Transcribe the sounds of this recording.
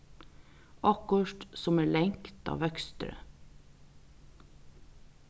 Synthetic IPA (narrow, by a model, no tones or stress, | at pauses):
ɑkəʃʈsɔmæːɭɛŋkt̪ɑ̰ːʋœkst̪ɾə̰